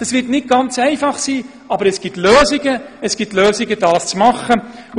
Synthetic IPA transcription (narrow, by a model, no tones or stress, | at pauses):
d̥ɑsʋɪtnɪt̚ɡ̥ɑnt͡sɛɪfɑχsiː | ɑbəɾɛsɡ̥itløːzɪɡəɛsɡ̥itløːsɪɡəd̥ɑːst͡smɑχə